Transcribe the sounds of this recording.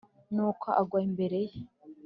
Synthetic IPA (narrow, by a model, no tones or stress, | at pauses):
nuːkʰoʔaɡwaimbe̞ɾe̞je